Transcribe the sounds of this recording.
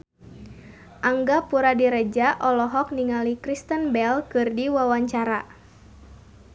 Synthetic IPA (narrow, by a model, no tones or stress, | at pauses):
ʔaŋɡapuɾadiɾɛd͡ʒaʔɔlɔɦɔk̚niŋalikɾist̪ənbɛlkɨrdiwawaɲt͡ʃaɾa